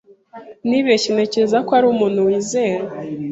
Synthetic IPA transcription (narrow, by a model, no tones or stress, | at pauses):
niβecene̞ceɾezakoaɾuːmuːn̥huwiːze̞ːɾe